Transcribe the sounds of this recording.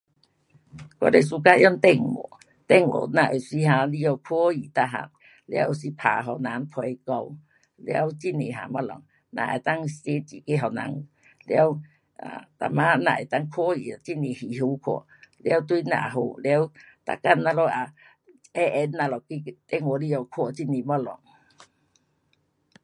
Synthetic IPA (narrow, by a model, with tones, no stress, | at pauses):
kɔ̰˦˨le˨s̬u˧ka˧˦ʔjɔ˦ŋt̪ɛ˧ŋwɔ̰˨˩˨ | t̪ɛ˧˨ŋwɔ̰˨nã˧˨ʔo˨si˧ɦã˧li˦ɔ˧kʰɔ˦i˨t̪a˧ɦa̰˧˨ | lja˦wo˨si˧˦pʰa̰˨ɦɔ˨nã˨˦npʰwe˧jkɔ˧w | le˧a̰˧˦wt͡ɕi˦˧ne˨ɦa̰˨ma˦lɔ̰˨ŋ | nã̰˧˨ḛ˨˩t̪a˦˨ŋse˦t͡ɕi˨ke˦ɦɔ˨nã̰˧˦ŋ˨ | le˧a˦w | a̰˨t̪a̰˨mã˦˧nã̰˧˨e˨t̪a˧ŋkʰwi˨a˨t͡ɕi˦˧nĩ˨hi˨ɦu˧˦kʰwɔ̰˧˨ | le˧a˦wt̪wi˦nã̰˧˨ɦo̰˧˨ljw | t̪a̰˨ka˧˨nːa˧lɔ˦a˨ | ɛ˦ʔɛ˧˦nːã˨˧˨lɔ˨ki˦t̪ɛ˦ŋ˧ɔ˧˦li˦jɔ˧˨kʰwɔ˧˨t͡ɕi˦˧ni˨mɔ˦lɔ˨ŋ